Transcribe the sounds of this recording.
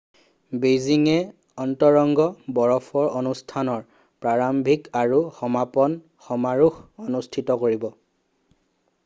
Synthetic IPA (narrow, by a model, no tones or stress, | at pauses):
beziŋɛ | ɔntɔɹɔŋɡɔbɔɹɔpʰɔɹʔonustʰanɔɹ | pɹaɹambʱikaɹuxɔmapɔn | xɔmaɹuxonustʰitɔkoɹibɔ